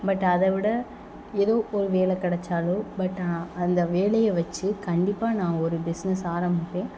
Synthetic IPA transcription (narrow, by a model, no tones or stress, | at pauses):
bɐʈːɐðɐʋɪɽɐ | eðoːʔɔɾɯʋeːlɐkɐɽɐt͡ʃːaːloːbɐʈːaɐnd̪ɐʋeːɭɐjɐʋɐt͡ʃːɯkɐɳɖɪpːaːnãːɔɾɯbɪsnɐsaːɾɐmbɪpːẽː